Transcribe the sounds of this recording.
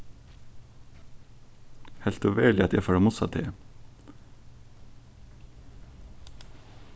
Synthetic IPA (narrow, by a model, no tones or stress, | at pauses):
hɛlt̪oːʋeːɭɪɑt̪jæfɑːɽɑmʊsɑ̰t̪ʰeː